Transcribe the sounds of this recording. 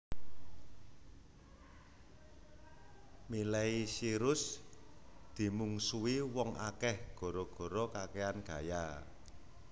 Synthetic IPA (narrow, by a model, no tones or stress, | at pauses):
milɛisiɾʊs | d̪̥i̤muŋsuiwɔŋʔa̰kɛhɡ̥ɔ̤ɾɔɡ̥ɔ̤ɾɔkakeanɡ̥ä̤ja